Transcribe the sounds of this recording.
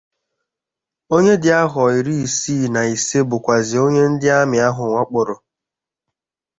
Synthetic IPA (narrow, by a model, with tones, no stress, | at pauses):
o˦ɲe˦dɪ˨˦a˦ɦɔ˨i˨ɾi˦i˨siː˦˨na˨i˨se˦bʊ˨kʷa˨zɪ˨o˦ɲe˦n̩˦dɪ˦a˦mɪ˨a˦ɦʊ˨ŋʷa˦k͡pʊ˨ɾʊ˨